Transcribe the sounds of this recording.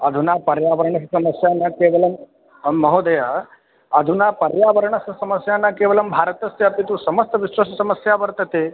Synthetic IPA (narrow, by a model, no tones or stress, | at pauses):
ɐd̪ʱunaːpɐɾjaːʋɐɾɐɳɐssɐmɐsjaːnakeːʋɐlɐmː | ɐɦoːd̪ɐja | ɐd̪ʱunaːpɐɾjaːʋɐɾɳɐssɐmɐsjaːnakeːʋɐlɐmbʱaːɾɐt̪ɐst̪japit̪usɐmɐst̪ɐʋiʃwɐʃɐsɐməsjaːʋɐɾt̪ɐt̪eː